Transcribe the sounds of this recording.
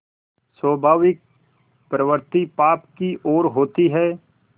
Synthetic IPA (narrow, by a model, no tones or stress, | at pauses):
swəːbʱaːʋɪk̚ | pɾəʋəɾt̪ipaːpkiʔoːɾɦoːt̪iɦɛː